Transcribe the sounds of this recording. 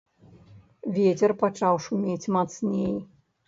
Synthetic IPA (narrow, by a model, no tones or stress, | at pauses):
vʲɛt͡sʲɛrpat͡ʂawʂumʲet͡sʲmat̪snʲej